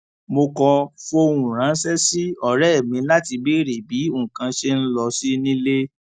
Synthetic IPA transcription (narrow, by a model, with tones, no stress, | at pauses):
mo˧kɔ˧fo˧˦˧wũ˨ɾ̃ã˨˦n˦sɛ˦si˦ɔ˨ɾɛ˦ɛ˦˨mĩ˧la˦ti˧be˦ɾe˨bi˨˦o˦˨kã˧ʃe˧n̩˦lɔ˧si˦nĩ˦le˦